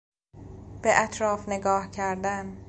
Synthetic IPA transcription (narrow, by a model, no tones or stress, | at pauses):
b̥eʔæt̪ʰɾɒːfne̞ɡɒːhcʰæɾd̪æn